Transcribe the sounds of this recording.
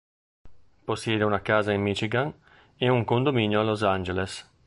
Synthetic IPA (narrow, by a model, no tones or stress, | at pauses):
posːjɛːd̪eunakaːzaimːit͡ʃiɡaŋ | euŋkond̪ominjoalːozand͡ʒeles